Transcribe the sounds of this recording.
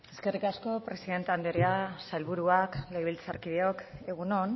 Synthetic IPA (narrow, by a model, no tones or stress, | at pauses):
e̞ske̞rikasko̞pɾe̞siðe̞nt̪eand̪eɾeasalβuɾuaklejβ̞ilt͡saɾkiðeo̞ke̞ɣ̞unon